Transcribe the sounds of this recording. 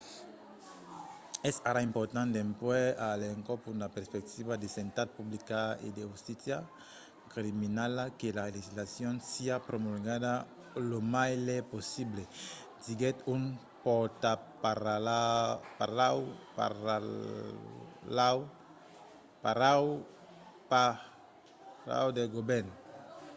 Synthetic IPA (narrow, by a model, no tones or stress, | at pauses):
ɛsaɾaimpoɾt̪ãnt̪empwɛaleŋkopudapeɾspek̚t̪iβad̪esent̪at̪̚publikaḛd̪eust̪isja | kɾiminalakelaleʒizlasjonsiapɾomulɡad̪a | lomajleposible | diɡɛt̪um | pɔt̪apaɾaapaawpa̰ɾa | aw | paɾaw | pa | ɾa̰wd̪eɡobɛɾn